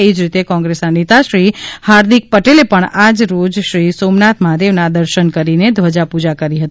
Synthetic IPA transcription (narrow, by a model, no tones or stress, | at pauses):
id͡ʒɾit̪ekɔ̃ŋɡɾesanet̪aʃɾihaɾd̪ik̚pəʈelepəɳad͡ʒɾod͡ʒʃɾisomnat̪ʰmaɦad̪eʋnad̪əɾʃənkəɾined̪ʱʋəd͡ʒapud͡ʒakəɾiɦət̪i